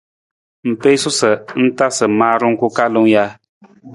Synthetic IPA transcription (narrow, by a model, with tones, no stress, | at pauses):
m̩˨pe˦sʊ˦sɨ˨n̩˦ta˦sɨ˨maː˦ɾʊ˦ŋ˦ku˦ka˦lɨ˦ŋ˦ja˦